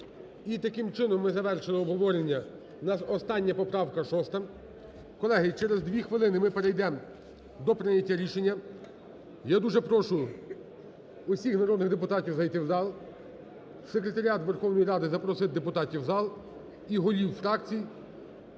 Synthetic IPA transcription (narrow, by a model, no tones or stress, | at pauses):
it̪ɐkɪmt͡ʃɪnɔmːɪzɐʋɛrʃɪlˠɪɔbɦɔʋɔɾenʲːɐ | nɐɔst̪ɑnʲːɐpɔpɾɑwkɐʃɔst̪ɐ | kɔlˠɛɦɪt͡ʃɛɾezd̪ʲʋʲixʋɪlˠɪnɪmɪpeɾɛjd̪ɛ | d̪ɔpɾɪnʲɐtʲːaɾʲiʃenʲːɐ | jad̪uʒɛpɾɔʃʊ | ʊsʲixnɐɾɔd̪nɪɣd̪epʊt̪ɑtʲiwzɐjt̪ɪwzɑlˠ | sekɾe̞t̪ɐɾʲiat̪ʋɛrxɔwnɔjɾɑd̪ɪzɐpɾɔsɪt̪̚d̪epʊt̪ɑtʲiwzɑlˠ | iɦɔlʲiwfɾɑkt͡sʲiji